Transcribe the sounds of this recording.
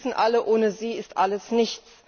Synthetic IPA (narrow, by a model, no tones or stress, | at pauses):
sn̩ʔaləʔoːnəziːɪstʔaləsnɪçt͡s